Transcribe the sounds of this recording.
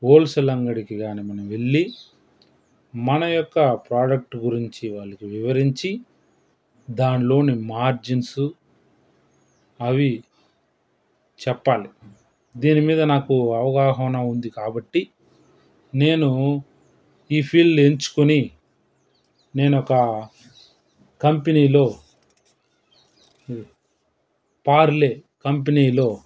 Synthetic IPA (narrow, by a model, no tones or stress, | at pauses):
oːlsɐlɐŋɡɐɽikiɡaːnimɐnɐmʋeɭːi | mɐnɐjɔkːɐpɾaːɖɐk̚ʈɡuɾiɲt͡ʃiʋaːɭːɐkiʋiʋɐɾiɲt͡ʃi | d̪aːnlo̞ːnimaːɾd͡ʒinsu | ɐʋi | t͡ʃɛpːaːli | d̪iːnimiːd̪ɐnaːkuɐʋɐɡaːɦɐwnɐund̪ikaːbɐʈːi | ne̞ːnu | iːpʰiːlɖe̞ɲt͡ʃu̥kuni | ne̞ːnɔkɐ | kɐmpeniːlo̞ː | paːɾle̞ːkɐmp̬eniːlo̞ː